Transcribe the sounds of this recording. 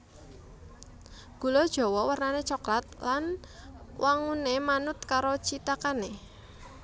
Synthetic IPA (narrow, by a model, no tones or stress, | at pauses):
ɡ̥ulɔd̥ʒ̥ɔ̤wɔwərnanet͡ʃɔklat̪̚lan | waŋunemanʊt̪kaɾot͡ʃit̪akane